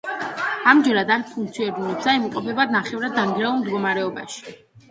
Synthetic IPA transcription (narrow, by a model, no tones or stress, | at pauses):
amd͡ʒɛɾad̪aɾpʰuŋk̚t̪sʰiɛɾd̪unɛpsaimuqʼɔpʰɛbad̪naχɛvɾad̪ːamɡɾɛulˠmd̪ɡɔmaɾɛɔba̰ʃi̥